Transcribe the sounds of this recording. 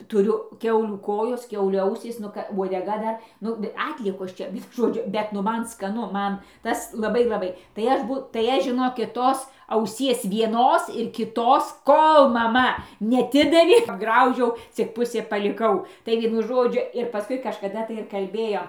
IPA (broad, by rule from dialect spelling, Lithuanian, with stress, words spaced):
tʊˈrʲʊ ˈkʲɛʊlʲuː ˈkoːjoːs ˈkʲɛʊlʲuː ˈɐʊsʲiːs ˈnʊ kɐ ʋuɔdʲɛˈɡɐ ˈdɐr ˈnʊ ˈɑːtʲlʲiɛkoːs t͡ʃʲɛ ˈʋʲiɛnʊ ˈʒoːd͡ʒʲʊ ˈbʲɛt nʊ ˈmɐn skɐˈnʊ ˈmɐn ˈtɐs lˠɐˈbɐɪ lˠɐˈbɐɪ tɐɪ ˈɐʃ ˈbuː tɐɪ ˈɐʃ ʒʲɪˈnoːkʲɪt ˈtoːs ɐʊˈsʲiɛs ʋʲiɛˈnoːs ɪr kʲɪˈtoːs ˈkoːlˠ mɐˈmɐ nʲɛɐˈtʲɪdɐʋʲeː ɐbˈɡrɐʊʒʲɛʊ t͡sʲɪk ˈpʊsʲeː pɐlʲɪˈkɐʊ tɐɪ ˈʋʲiɛnʊ ˈʒoːd͡ʒʲʊ ɪr pɐˈskʊɪ kɐʃkɐˈdɐ tɐɪ ɪr kɐlʲˈbʲeːjoːm